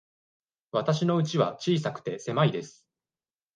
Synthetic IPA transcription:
βat̪aɕino̞ɯ̟t͡ɕiβa̰t͡ɕiːsakɯ̟̥t̪e̞se̞maid̪e̞sɨ̥

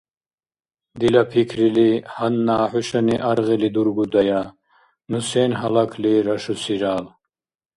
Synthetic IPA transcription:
d̪ilɐpʰikʰɾilihɐnːaːħuʃɐniʔaɾɣilid̪uɾɡud̪ɐja | nuseːnɦɐlakʰliɾɐʃusiɾaːl

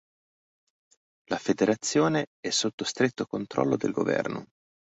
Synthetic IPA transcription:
lafed̪eɾʔat̪sːjoːneɛsːot̪ːost̪ɾet̪ːokont̪ɾɔ̰lːod̪elɡo̰vɛ̰rno̰

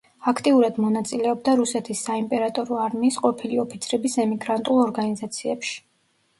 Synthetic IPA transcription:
akʰt̪ʼiuɾad̪mɔnat̪sʼilɛɔb̚d̪aɾusɛt̪ʰisːaimpʼɛɾat̪ʼɔɾɔaɾmiːsqʼɔpʰiliɔpʰit̪sʰɾɛbisɛmiɡɾant̪ʼulˠɔɾɡanizat̪sʰiɛpʃi̥

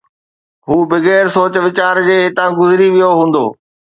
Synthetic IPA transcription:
ɦuːbɪɣɛːɾsoːt͡ɕʋɪt͡ɕaːɾd͡ʑeːɦɪt̪ãɡʊzɪɾiʋijoɦũːn̆d̪oː

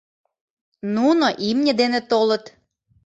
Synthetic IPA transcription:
nunoʔimnʲĕd̪enĕt̪olə̆t̪

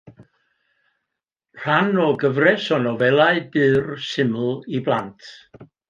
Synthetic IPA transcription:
r̥anɔɡəvrɛsɔnɔvɛlˠaɨbɨːrsɪml̩ˠiblˠantʰ

